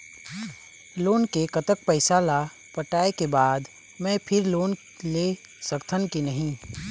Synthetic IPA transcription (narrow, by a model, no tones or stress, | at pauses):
loːnkekət̪ək̚pəɪsala | pəʈaːekebaːd̪ | mɛ̃pʰɪɾloːn | le | səkt̪ʰənkinəɦĩ